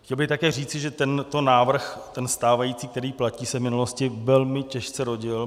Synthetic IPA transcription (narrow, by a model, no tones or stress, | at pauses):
xcɛlbɪxt̪akɛːriːt͡sɪʒɛt̪ɛnt̪o̞naːvr̩xtt̪ɛnst̪aːvajiːt͡siːk̚t̪ɛɾiːplaciːsɛvmɪnuloscɪvɛlmɪcɛʃt͡sɛɾo̞ɟɪl